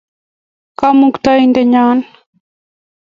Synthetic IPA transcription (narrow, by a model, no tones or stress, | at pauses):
kamukt̪aindɛɲaːn